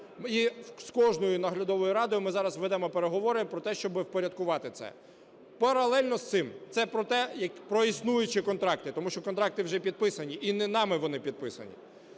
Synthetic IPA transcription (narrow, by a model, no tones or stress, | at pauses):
iskɔʒnɔjʊnɐɦlʲɐd̪ɔʋɔjʊɾɑd̪ɔjʊmɪzɑɾɐsʋɛd̪ɛmɔpeɾeɦɔʋɔɾɪpɾɔt̪ɛʃt͡ʃɔbɪwpɔɾʲɐd̪̚kʊʋɑt̪ɪt̪sɛ̰ | pɐɾɐlˠɛlʲnɔst̪ɪmt̪sɛpɾɔt̪ɛjɐkpɾɔisnujʊt͡ʃɪkɔnt̪ɾɑk̚t̪ɪt̪ɔmuʃt͡ʃɔkɔnt̪ɾɑk̚t̪ɪwʒɛpʲid̪̚pɪsɐnʲiʔinɛnɑmɪʋɔnɪpʲid̪̚pɪsɐ̰nʲḭ